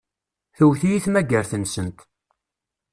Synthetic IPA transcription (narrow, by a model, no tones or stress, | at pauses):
θəwθijiθmæɡəɾθənsənt̪